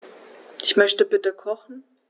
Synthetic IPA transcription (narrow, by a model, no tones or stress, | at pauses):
ʔɪçmœçtəbɪtəkʰɔχn̩